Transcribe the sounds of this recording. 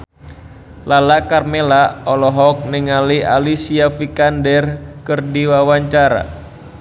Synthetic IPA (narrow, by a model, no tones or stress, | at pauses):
lalakarmelaɔlɔɦɔk̚nɛŋalia̰lisiafikandɛrkərdiwawaɲt͡ʃaɾa̰